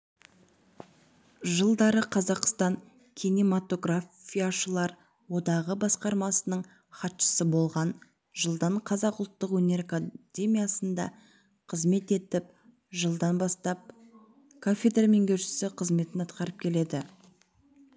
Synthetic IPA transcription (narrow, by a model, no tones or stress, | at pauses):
ʒəlˠd̪ɑɾəqʰɑzɑqst̪ɑŋ | kʲʰinimat̪o̞ɡrafʲijaʃəlˠɑɾ | wo̞d̪ɑʁəbɑsqɑɾmɑsənəɴ | χɑt̪ʃə̥səbo̞lˠʁɑn | ʒəlˠd̪ɑɴqʰɑzɑqʊlˠt̪ːəqwɵne̞ɾkad̪ʲe̞mʲijasənd̪ɑ̰ | qʰəzme̞t̪e̞t̪ɪp̚ | ʒəlˠd̪ɑnbɑst̪ɑp̚ | kʰofʲed̪rame̞ŋkʲʰɵɾʃɪ̥sɪqʰəzme̞t̪ɪnɑt̪̚qɑɾəp̚kʲʰe̞le̞d̪ɪ